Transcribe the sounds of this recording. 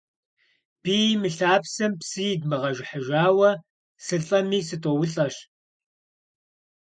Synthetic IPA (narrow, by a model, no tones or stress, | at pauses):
b̥iːmɨɬaːpsɨmpsɨjdmɨʁɐʒɪħəʒaːwɐ | sɨɬɬʼɐmiːsɨtʼowʊɬʼɐɕ